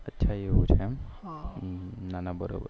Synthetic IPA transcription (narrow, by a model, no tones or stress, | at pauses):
ətːʃʰajeɦut͡ʃʰem | nanabəɾo̰bə̰ɾ